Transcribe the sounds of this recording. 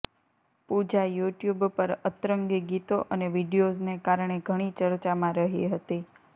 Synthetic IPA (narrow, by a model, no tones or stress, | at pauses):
pud͡ʒajuʈjubpəɾət̪ɾəŋɡəɡit̪oʔəneʋiɖijoznekaɾɳ̃eɡʱəɽ̃it͡ʃəɾt͡ʃamãɾəɦiɦət̪i